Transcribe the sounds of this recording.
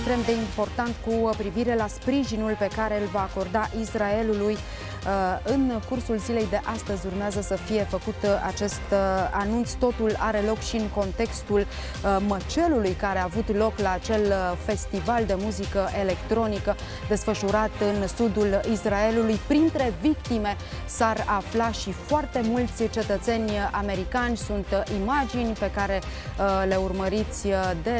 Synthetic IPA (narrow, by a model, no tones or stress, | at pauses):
ekst̪ɾe̞md̪e̞impo̞rt̪ant̪kupɾiviɾe̞laspɾiʒinulpe̞kaɾe̞ɨlvaːko̞rd̪aʔisrae̞luluj | ɨnkursulzile̞jd̪e̞ʔast̪əzʲurmeazəsəfije̞fəkut̪a̰t͡ʃe̞st̪anunt̪st̪o̞t̪ulaɾe̞lo̞kʃiɨŋko̞nt̪e̞kst̪ul | mət͡ʃe̞lulujkaɾeaːvut̪lo̞klaːt͡ʃe̞lfe̞st̪ivald̪e̞muzikəʔe̞le̞kt̪ɾo̞nikə | d̪e̞sfəʃuɾat̪ɨnsud̪ulisrae̞lulujpɾint̪ɾe̞vikt̪ime̞ | saraflaʃifoart̪e̞mult̪sʲt͡ʃe̞t̪ət̪se̞nʲame̞ɾikanʲsunt̪imad͡ʒinʲpe̞kaɾe̞le̞urməɾit̪sʲd̪e̞